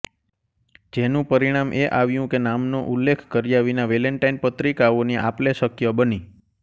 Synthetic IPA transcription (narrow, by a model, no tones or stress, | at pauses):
d͡ʒenũpəɾiɽ̃amʔeʔaʋjũkenamnoʔulːekʰkəɾjaʋinaʋeleɳʈajnpət̪ɾikaoniʔapleʃəkjəbəni